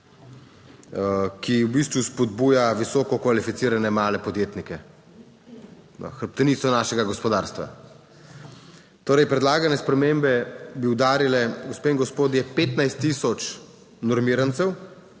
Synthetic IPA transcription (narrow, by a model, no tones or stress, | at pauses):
kiwbist̪ʋuspɔd̪buːjaʋisɔːkɔkʋalifit̪iːɾanɛmaːlɛpɔd̪jeːt̪nikɛ | xəɾp̚t̪ɛniːt̪sɔnaːʃɛɡaɡɔspɔd̪aːɾst̪ʋa̰ | t̪oːɾɛjpɾɛd̪laːɡanɛspɾɛmeːmbɛbiwd̪aːɾilɛɡɔspeːiŋɡɔspoːd̪jɛpeːt̪najst̪ːiːsɔt͡ʃ | nɔɾmiːɾant̪sɛw